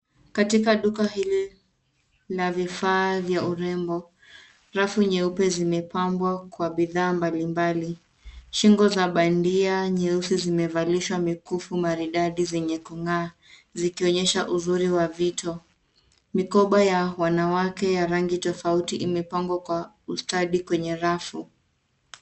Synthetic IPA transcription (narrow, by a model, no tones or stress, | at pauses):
katikaɗukahili | lavifaːvjauɾɛmbɔ | ɾafuɲɛupɛzimɛpambwakwaɓiðaːmbalimbali | ʃiŋɡɔzaɓandiaɲɛusizimɛvaliʃwamikufumaɾiɗaɗizɛɲɛkuŋaː | zikiɔɲɛʃaʔuzuɾiwavitʰɔ | mikɔɓajawanawakɛjaɾaŋɡitɔfautiʔimɛpaŋɡwakwa | ustaɗikwɛɲɛɾafu